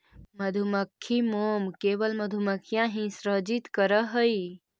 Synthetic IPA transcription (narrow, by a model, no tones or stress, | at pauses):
məd̪ʱuməkʰːimoːmkeːʋəlməd̪ʱuməkʰːjãɦĩsɾəd͡ʒit̪kəɾəɦəi